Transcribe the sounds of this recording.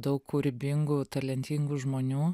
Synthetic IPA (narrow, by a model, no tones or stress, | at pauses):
d̪ɐʊkkuːɾʲɪbʲɪŋɡuːt̪ɐlʲɛnʲt̪ʲɪŋɡuːʒmoːnʲuː